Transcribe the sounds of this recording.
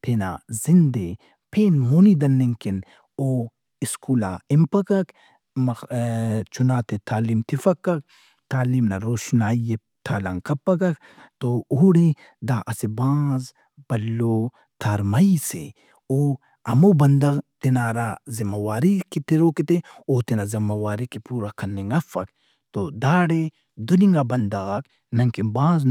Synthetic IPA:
t̪ʰeːna̰ːzɪnd̪e | pʰeːnmoːnid̪ɐnːiŋkɪn | oː | ɪskuːla̰ːɪmpɐkɐk | mɐ | t͡ʃʰʊnaːt̪et̪ʰaːliːmt̪ʰɪfɐkːɐk̚ | t̪aːliːmnaɾoːʃnaːije | t̪ʰaːlɐ̰ŋkɐpːɐkɐk | t̪ooɽe | d̪aːʔɐsebãːz | b̥ɐlːoː | t̪ʰaːɾmɐisḛ | oː | ɐmobɐnd̪ɐɣt̪inaːɾazimɐwaːɾikit̪iɾoːkit̪eoːt̪inazimɐwaːɾikipuːɾakʰɐnːeŋɐfɐ̰k | t̪od̪aːɽe | d̪ʊniŋɡabɐnd̪ɐɣɐk | nɐŋkimbãːzn

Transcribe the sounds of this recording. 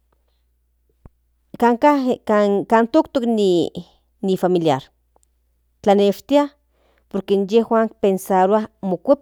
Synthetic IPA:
kaŋkaakant̪okt̪okni | nifamiljaɾ | t͡ɬaneʃt̪ia | poɾkenjehwʷaːŋk̚pensaɾoamokʷep

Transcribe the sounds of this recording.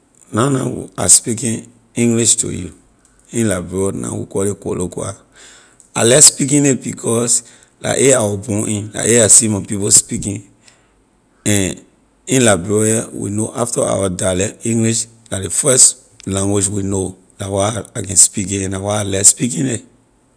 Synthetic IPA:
nãnã̰a̰spikĩn | ĩŋɡliʃtṵju | ĩnlabɹɔnã̰wḭkɔeko̰lokua̰ | a̰lɛspikĩnebikʰɔs | la̰ʔeawɔbũʔĩnla̰ʔeasimãpipospikĩn | ɛ̃n | ĩnlabɹɛɹiawḭnoʔaftaa̰wadalɛĩŋɡliʃ | ladefɛs | lãŋɡwed͡ʒwino | lawaakɛ̃nspikĩɛ̃nlawaalɛspikĩne

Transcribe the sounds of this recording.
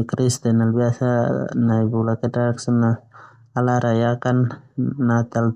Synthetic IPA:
kɾist̪ɛnalbiasanajbulakɛtaksɔnːa | alaɾajakanː | at̪al

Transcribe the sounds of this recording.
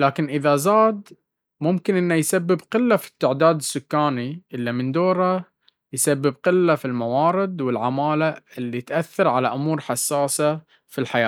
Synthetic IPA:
laːkɪnʔɪðazaːd̪ | mʊmkɪnʔɪnːajsabːɪbqɪlːafi̥t̪ːɪʕd̪aːd̪ɪsːʊkːaːniʔɪlːimɪnd̪oːɾa | jsabːɪb̚qɪlːafilmawɑːɾˤɪd̪wɪlʕamaːlaʔɪlːit̪ʔaθːɑɾˤʕalaʔʊmuːɾħasːaːsa | filħaja̰ː

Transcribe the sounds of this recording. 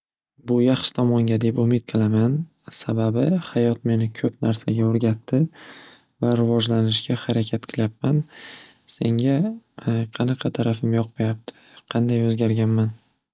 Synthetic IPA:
bʊjɑχʃɪ̥t̪ʰɒmɒŋɡʲad̪e̞pʊmɪt̪̚qʰɨlˠaman | sababɪhajɒt̪me̞nɪkʲʰɵpnaɾsaɡʲaoɾɡʲat̪ʰːɪ | vaɾɪvɒd͡ʒlanɪʃɡʲahaɾakʲʰat̪̚qʰɨlˠjap̚man | se̞ŋɡʲa | qʰɑnɑqʰɑt̪ʰaɾafɪmjɒq̚majap̚t̪ʰɪ̥qʰɑnd̪ajɵzɡʲaɾɡʲanman

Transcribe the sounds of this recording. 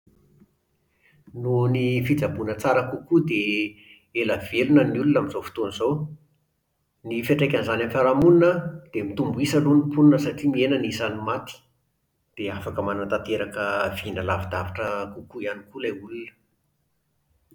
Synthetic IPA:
nunifid͡zabunət͡saɾəkukud̪e | eləv̥elunəniulunaminzofi̥t̪onizow | nifeʈ͡ʂekʲanzanamfaɾamuninəd̪̥emit̪umbuisəlunipunnəsaʈ͡ʂimienənisanumat̪i̥ | d̪̥eafakəmanant̪at̪eɾakəv̥inəlavad̪avaʈ͡ʂəkukuianikulaulunə̥

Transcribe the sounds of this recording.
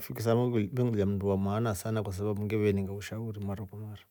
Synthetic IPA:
fikisambiŋɡuamduwamanasanakos̬ababuɡebeniŋɡauʃawuɾimaɾakumaɾ

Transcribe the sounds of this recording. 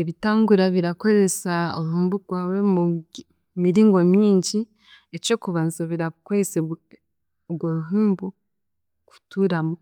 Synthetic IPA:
eβitaːŋɡuɾaβiɾako̞ɾe̞sao̰ɾuɦuːmbuɡ̥waːwe̞mu | miɾiːŋɡo̞mjiːɲɟi | eco̞kuβaːnzoβeɾakweese | ɡwoɾuɦuːmbu | ku̥tuːɾamo

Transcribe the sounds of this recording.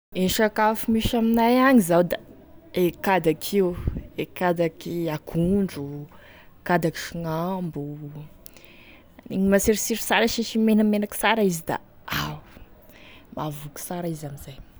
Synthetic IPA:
eʃakafumiʃaminajaɲizawd̪a | ekad̪akʰiwekad̪akiakʰuɳɖ͡ʐu | kad̪aki̥ʃuŋambu | niɲimasiɾisiɾisaɾaʃiʃimenamenaki̥saɾaizid̪a̰aw | mavuku̥saɾaizamizaj

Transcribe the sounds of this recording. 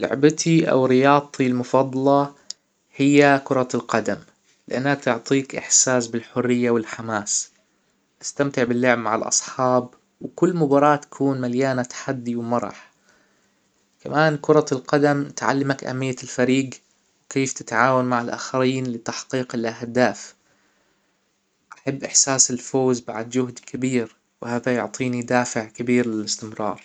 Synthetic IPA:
lʊ̰ʕbat̪ʰiʔa̰wɾɪjɑːt̪ˤːilmʊfɑd̪ˤːɑlɑ | hɪjːakʊɾˤɑlqɑd̪am | lɪʔanːak̚t̪ʊʕt̪ˤiːkʔɪ̰ħsaːsbɪlħʊrːɪjːawɪlħamaːs | ʔast̪amt̪ɪʕbɪlːʊʕbmaʕa̰lʔɑ̰sˤħɑːb | wkʊlːmʊbɑːɾˤɑːt̪ːḁkʰuːnmaljaːnat̪ḁħad̪ːiwmɑɾˤɑ̰ħ | kamaːnkʊɾˤɑlqɑd̪amt̪ʕa̰lːamakʔa̰mːɪjːalfaɾiːɡ | wkeːft̪ɪt̪ʕaːwanmaʕɪlʔa̰ːxaɾiːnlɪt̪ːaħqiːqɪlʔahd̪aːf | ʔaħabːʔɪħsaːsɪlfoːzba̰ʕd̪d͡ʒʊɦd̪kʰabiːɾ | whaːðajʊʕt̪ˤʰiːnid̪aːfɪʕkɪbiːɾlɪlɪst̪ɪmɾˤɑ̰ːɾˤ

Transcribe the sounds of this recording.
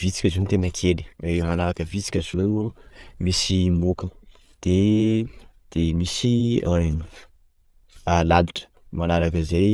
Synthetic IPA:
vit͡si̥kʲəzunt̪enəkʰeli̥emanaɾakəvit͡si̥kʲəzuumisimokə | d̪̥e | d̪̥emisian | alad̪iʈ͡ʂə̥ | manaɾakəzej

